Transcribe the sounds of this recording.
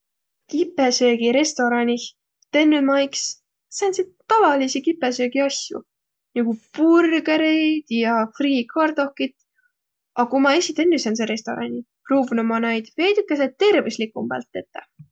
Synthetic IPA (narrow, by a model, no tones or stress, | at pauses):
kipːesø̞ːɡ̥iɾe̞st̪o̞ɾɑnʲi | t̪enːymɑjks | sɑnsit̪t̪ːɑvɑlisikipːesøːɡ̥iɑsʲjṵ | niɡ̥upurɡeɾejd̪̥jɑfriːkʰɑrd̪̥o̞hkːit̪ | ɑkumɑesʲit̪enːysens̬eɾe̞st̪o̞ɾɑ̰nʲi | pruːbunomɑnɑjd̪̥vejd̪ikːˑes̬et̪̚t̪ːe̞rveslikːˑumb̥æ̰lt̪ˑːet̪ːe